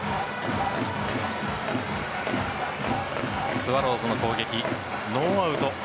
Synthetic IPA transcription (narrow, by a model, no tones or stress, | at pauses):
sɨβaɾo̞ːzɨno̞ko̞ːɡe̞kʲi | noːaɯ̟t̪o